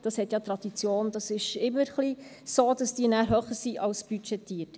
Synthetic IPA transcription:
d̥ɑshɛt̪jɑtɾɑd̥̪it͡sjoːnd̥̪ɑsɪʃɪmːəɾχli | soːd̥ɑsd̥iːənæːɾɦøχəɾsiʔɑlsb̥yt͡ʃɛt̪iːət

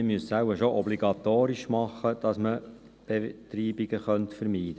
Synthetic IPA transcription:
əmyəssæwəʃoʔɔbliɡɑt̪oːɾiʃmɑχːəd̪̥ɑsmə | b̥etɾiːbiɡəχœntfəɾmiːd̥ə

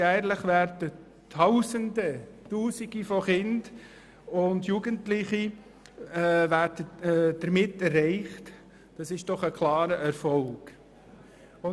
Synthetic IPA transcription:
jæːɾləχʋæːɾdə | tʰawsəndətuːsiɡifɔχɪnd̥ | ʊndjuɡ̥əntlɪχi | ʋæːɾd̥əd̥əɾmɪtːɛrːɛɪχt | d̥ɑsɪʃd̥ɔχəkʰlɑːɾəʔæɾfɔlɡ̥ | ʊ

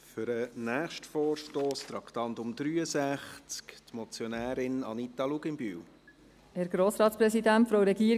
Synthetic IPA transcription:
fʏɾənæːχʃtfɔːɾʃtoːst̪ɾɑkt̪ɑnt̪ʊmd̪ɾyːəsæχt͡skt̪mɔt͡sjonæːɾɪnɑ̰nit̪ɑluɡɪmby̰ːw | hɛːɾɡ̥ɾoːsɾɑːt̪spɾɛsidæntfɾowɾɛɡiːɾ

